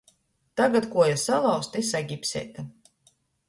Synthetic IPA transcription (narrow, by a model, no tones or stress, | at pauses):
t̪aɡat̪kuɔjasalˠawst̪esaɡʲipsʲɛ̰ːt̪a